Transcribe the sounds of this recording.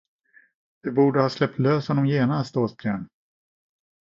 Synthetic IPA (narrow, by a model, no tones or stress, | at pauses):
vɪbuːɖəhɑːslɛp̚t̪løːshɔnːɔmjeːnast̪oːsbjæːɳ